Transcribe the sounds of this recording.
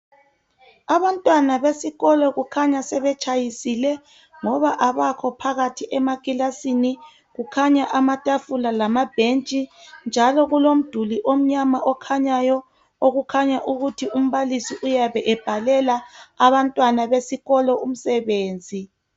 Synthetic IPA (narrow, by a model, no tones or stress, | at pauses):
aβantʼwanaβesiɣɔlɔɣukʰaɲasɛβɛt͡ʃʰʼajisilɛ | ŋɔβaʔaβakʰɔpʰaɣatʰiʔɛmakʼilasini | ɣukʰaɲaʔamatʼafulalamab̥ʱent͡ʃʼind͡ʒʱalɔɣulom̩d̥ʱuliʔom̩ɲamaʔɔkʰaɲajɔ | oɣukʰaɲaʔuɣutʰium̩βalisiʔujaβɛʔɛb̥ʱalɛlaaβantʼwanaβesiɣɔlɔʔum̩sɛβeːnd͡zʱi